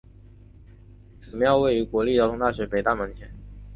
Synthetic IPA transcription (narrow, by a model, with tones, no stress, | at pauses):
t͡sɹ̩˨˩m˧˥jɑ˥˧ʊwe˥˩ɪy˧˥kwɔ˧˥li˥˩jɑ˥ʊt̪ʊ˧˥ŋ˥t̪a˥˩ɕɥɛ˧˥pe˨˩ɪt̪a˥˩mə˧˥nt̪ʰjɛ˧˥˦n